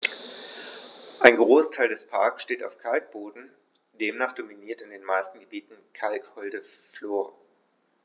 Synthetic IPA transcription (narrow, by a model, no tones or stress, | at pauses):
ʔaɪnɡʁoːsḁtʰaɪldɛspʰa̰ɐksʃteːta̰ʊfkʰalk̚b̥oːdn̩ | d̥eːmnaːχd̥ominiːɐtɪndeːnmaɪstn̩ɡəbiːtn̩kʰalkhɔldəfloːʁən